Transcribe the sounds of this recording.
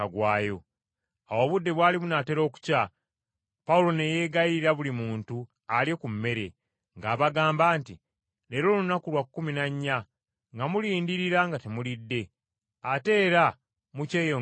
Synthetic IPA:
aɡwaːjo̞ | awo̞ːβudːe̞βwaːliβunate̞ɾo̞ku̥ca | paulo̞ne̞je̞ɡaiɾiɾaβulimuːntu | alje̞kummːe̞ɾe̞ | ŋɡaːβaɡaːmbaːnti | le̞ːɾo̞ːlunakulwakukːuminaɲːa | ŋɡamuliːndiɾiɾaŋɡatemulidːe̞ | ate̞ːɾa | muce̞ːjo

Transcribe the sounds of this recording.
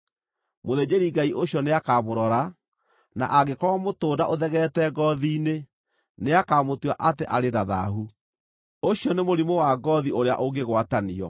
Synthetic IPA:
moðed͡ʑeɾiɡaiʔoɕjɔneakamoɾɔɾa | na̰ʔaɡekɔwamotoːdaʔoðɛɣɛtɛɡɔðiːne | neakamotwaʔateʔaɾeɾaða̰ɦu | oɕjɔnemoɾimowaɡɔðioɾea̰ʔoɡeɣwataniɔ

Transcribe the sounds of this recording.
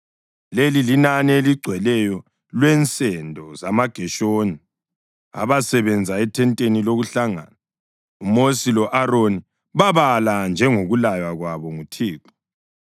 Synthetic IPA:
lelilinanieliɡ͡ǀʱwɛlɛjɔ | lwɛnt͡sʼɛndʱɔzamaɡ̥ʱɛʃoːni | a̰βasɛβɛnd͡zʱaɛtʰɛntʼeniloɣuɬaŋa̰ːna | umosilɔʔaroni | βaβaland͡ʒʱɛŋoɣulajwaɣwaβɔŋutʰiːkɔ̥

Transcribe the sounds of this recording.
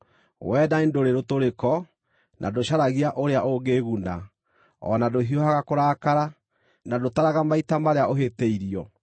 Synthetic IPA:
wɛdaendoɾeɾotoɾekɔ | nʔa̰doɕaɾaɣiaʔoɾeaʔoɣeːɣuna | ɔ̰nadoɦiɔhaɣakoɾaːkaɾa | nadotaɾaɣamaitamaɾeaʔoɦeteiɾiɔ

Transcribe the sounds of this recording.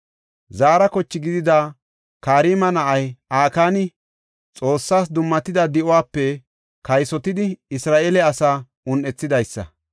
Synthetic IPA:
zaːɾɐkɔt͡ʃːɪɡɪd̪ɪd̪aː | kaːɾiːmɐnɐʔɐjaːkaːnɪ | t͡sʼo̞ːsːaːs̬d̪ʊmːɐt̪ɪd̪ɐd̪ɪʔɔwaːpːɛ | kɐjsɔt̪ɪd̪ɪɪsɾaːʔeːlɛɐsaː | ʔʊnʔɛt͡sːɪd̪ɐjsːɐ̰

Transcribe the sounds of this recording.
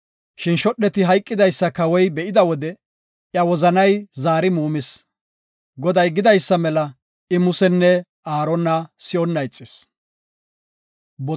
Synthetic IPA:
ʃɪnʃɔɗːɛt̪ɪɦɐjkʼːɪd̪ɐjsːɐkɐwɔjbɛʔɪd̪ɐwɔd̪ɛ | ʔjɐwɔzɐnɐjzaːɾɪmuːmɪs | ɡɔd̪ɐjɡɪd̪ɐjsːɐmɛlɐ | ʔɪmʊsɛnːɛ | aːɾɔnːɐsɪɔnːɐjt͡sʼːɪs | bɔ

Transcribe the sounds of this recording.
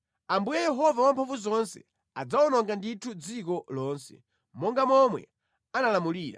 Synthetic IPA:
ambujɛjɛɦɔvawampʰaɱvuzɔnsɛ̰ | ad͡zawɔnɔŋɡanditʰud͡zikɔlɔːnsɛ̰ | mɔŋɡamɔmwɛ̰ | analamuliːɾa̰

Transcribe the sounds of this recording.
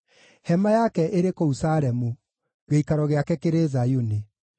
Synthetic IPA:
hɛmajakɛʔeɾekousaɾɛmu | ɣeikaɾɔɣeakɛkeɾezajuni

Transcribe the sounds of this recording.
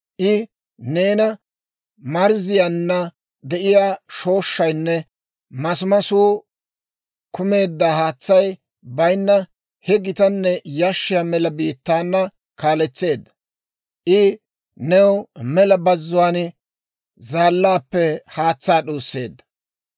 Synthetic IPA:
ʔɪ | ne̞ːnɐ | mɐɾzɪjanːɐ | d̪ɛʔɪjaːʃo̞ːʃːɐjnːɛ | mɐsʊmɐsuː | kʊme̞ːd̪ːaːhaːt͡sːɐj | bɐjnːɐ | hɛɡɪt̪ɐnːɛjaʃːɪjaːmɛlɐbiːt̪ːaːnːɐ | kaːlɛt͡sːe̞ːd̪ːɐ̥ | ʔɪ | nɛwmɛlɐbɐzːʊwaːn | zaːlːaːpːɛhaːt͡sːaːɗoːsːe̞ːd̪ːɐ̥

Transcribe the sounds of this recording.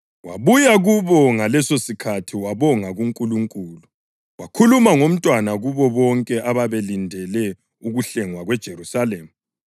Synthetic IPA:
waβujaɣuβɔŋalɛsosikʰatʰiwaβɔŋaɣuŋkʼuluŋkʼuːlu | wakʰulumaŋom̩tʼwanaɣuβɔβɔŋkʼɛʔaβaβelindʱɛlɛ | uɣuɬɛŋwaɣwɛd̥ʒ̥ʱeɾusaleːmu

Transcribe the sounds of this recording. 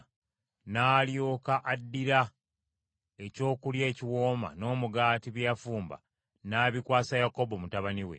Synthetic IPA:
naːljo̞ːkaʔadːiɾa | e̞co̞ːkulje̞ːciwo̞ːma̰no̞ːmuɡaːtiβjafuːmba̰ | naːβikwaːsajako̞bo̞mutaβaniwḛ

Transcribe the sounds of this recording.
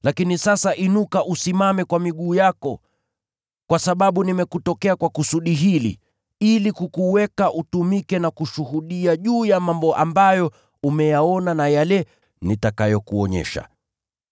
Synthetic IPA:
lakinisasaʔinukaʔusimamɛkwamiɠuːjakɔ | kwasaɓaɓunimɛkutɔkɛakwakusuɗiɦilḭ | ilikukuwɛkaʔutumikɛnakuʃuɦuɗiaʄuːjamambɔʔa̰mbajɔ | umɛjaɔnanajalɛ | nitakajɔkuɔɲɛ̰ʃa̰

